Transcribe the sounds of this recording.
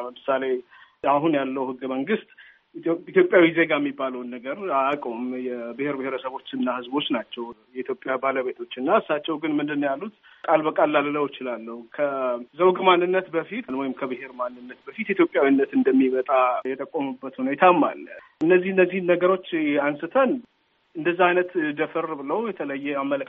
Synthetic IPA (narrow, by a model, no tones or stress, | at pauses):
əmɨsale̞ | aɦunjalːəwhɨɡːəməŋɡɨst̪ʼ | t̪jopʼjawize̞ɡajɛmːibːaləwnːəɡəɾaakʼo̞mjɛbɨheɾbɨheɾəsəβo̞t͡ʃːɨnːahɨzbo̞t͡ʃːnat͡ʃːɛwjɛit̪ʰjo̞pʼːjabaləβe̞t̪ʰo̞t͡ʃːɨnːaɨsːat͡ʃːɛwɡɨnmɨnd̪ɨnːjalːut̪ | kʼalbəkʼalːalləwjɪt͡ʃɪlalːəhukʰəzəwɡmanːɨnːət̪bəfit̪nwɔjɪmkʰəbɨhe̞ɾmanːɨnːət̪bəfit̪jɛt̪jo̞pʼjawinːət̪ɨnd̪əmːimət̪ʼajɛt̪ʼəkʼːomubːət̪unejɪt̪ʰamːa̰lʔɨnːəzːihɨnːəzːihnːəɡəɾo̞t͡ʃːansɨt̪ʰən | ɨnd̪əzːahajnət̪d̪əfɨrbɨləwjɛt̪ʰələjːɛamːələk